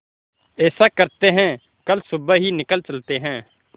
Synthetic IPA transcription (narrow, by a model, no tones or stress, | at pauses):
ɛːsakəɾt̪eɦɛ̃ː | kəlsʊbəɦinɪkəlt͡ʃəlt̪eɦɛ̃ː